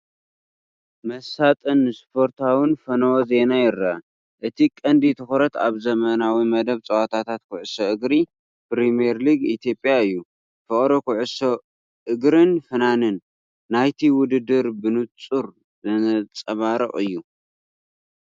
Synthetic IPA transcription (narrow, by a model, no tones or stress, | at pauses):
mɐsat̪ʼɨnːɨspʰo̞ɾt̪ʰawɨnfɐnowoze̞najɪrːa | ʔɨt̪ʰikʼɐnd̪it̪ʰɨxoɾɐt̪a̰βzɐmɐnawimɐd̪ɐβt͡sʼɐwat̪ʰat̪ʰat̪kʰʊʕɨsoʔɨɡɾi | pɾimieɾliɡit̪ʰjo̞pʼjaɨjːu | fɨχʼɾokʰuʕɨso | ʔɨɡɾɨnfɨnanɨnː | ajt̪ʰiwʊd̪ɨd̪ɨɾbɨnɨt͡sʼuɾ | zɨnt͡sʼɐβaɾɐχʼɨjːu